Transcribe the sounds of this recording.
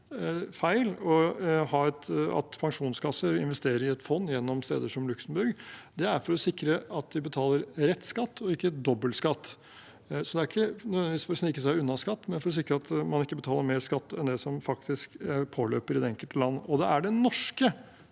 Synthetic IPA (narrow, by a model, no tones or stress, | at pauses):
fæɪlɔhɑːɛt̪ɑ̰t̪pʰɑŋʂuːnskɑsəɾɪ̰nʋɛst̪eːɾəɾɪɛt̪fɔnːjɛnːɔmst̪ḛːd̪əʂɔmlʉksəm̩bʉɾɡd̪ɛæɾfɔɾɔsɪkɾəɑt̪̚d̪ɪbət̪ʰɑːləɾɾɛt̪ːskɑt̪ːɔɪkːəd̪ɔbːəlskɑt̪ː | sɔd̪ɛæɾɪkːənœd̪ʋɛnɪʋiːsfɔɾɔsnɪkːəsæɪʉnːɑskɑt̪ːmɛnfɔɾɔs̬ɪkɾəɑt̪mɑnɪkːəbət̪ʰɑːləɾmeːɾskɑt̪ːɛnd̪ɛsɔmfɑkt̪ɪskpʰoːlø̰ːpəɾɪd̪ɛɛŋkəlt̪əlɑnːɔd̪ɛæɖɛnɔʂkə